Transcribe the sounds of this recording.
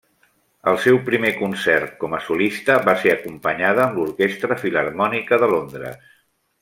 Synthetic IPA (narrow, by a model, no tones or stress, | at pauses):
əlˠsɛwpɾimekunsɛrt̪̚kɔməsulist̪əβaseəkumpəɲaðəːmluɾkest̪ɾəfilərmɔnikəðəlond̪ɾə̰s